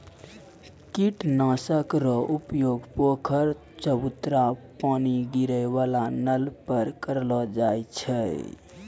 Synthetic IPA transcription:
kiʈnãsəkɾɔʔupjoɡpokʰəɾ | t͡ʃəbut̪ɾapaniɡiɾəbalanəlpəɾkəɾlɔd͡ʒajt͡ʃʰə

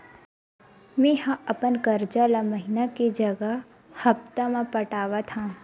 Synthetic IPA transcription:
mẽɦãɐpənkəɾd͡ʒalaməɦɪnaked͡ʒɐɡə | hɐp̚t̪amãpəʈaːʋat̪ʰãː

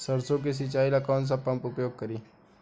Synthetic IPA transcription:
səɾsok̬es̬it͡ɕailakɔns̬apãmpupjoɡ̚kəɾiː

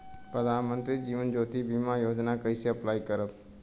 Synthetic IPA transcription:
pɾəd̪ʱaːnmənt̪ɾid͡ʒiːʋənd͡ʒoːt̪ibimajoːd͡ʒnakəɪseəplaːikəɾəp

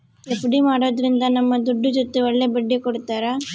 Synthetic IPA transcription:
epuɽimaːɽoːd̪ɾind̪ɐnɐmːɐd̪uɖːud͡ʒot̪ːeɔɭːebɐɖːikɔɽut̪ːaːɾɐ

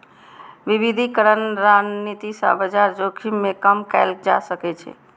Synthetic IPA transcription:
ʋiʋid̪ʱikəɾənɾanit̪isə̰̃bəd͡ʒaɾd͡ʒokʰimːekəmkɛɪld͡ʒa̰səkɛt͡ʃʰɛ̰

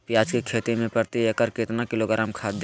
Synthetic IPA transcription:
pɪjaːd͡ʒkekʰeːt̪emẽpɐɾt̪iekəɾket̪nakɪloɡəɾəmkʰaːd̪

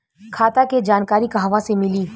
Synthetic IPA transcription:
kʰaːt̪aked͡ʒaːnkaːɾikaɦʋãsemɪliː

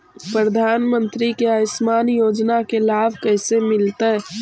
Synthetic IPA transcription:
pɾəd̪ʱaːnmənt̪ɾikeəsmaːnjoːd͡ʒnakelaːbʱkəɪsemɪlt̪ə

